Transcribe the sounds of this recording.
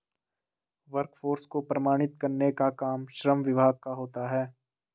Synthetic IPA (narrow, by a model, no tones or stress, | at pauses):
ʋəɾkfʰoːɾskopɾɐmaːɽ̃ɪt̪̚kɐɾnekakaːmʃɾəmʋɪbʱaːɡ̚kaɦoːt̪aɦɛː